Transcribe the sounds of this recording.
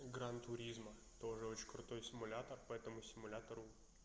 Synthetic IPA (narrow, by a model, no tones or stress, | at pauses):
ɡɾant̪ʊɾʲizmə | t̪o̞ʐɨo̞t͡ɕɪnʲkɾʊt̪o̞jsʲɪmʊlʲat̪ərpɐɛt̪əmʊsʲɪmʊlʲat̪əɾʊ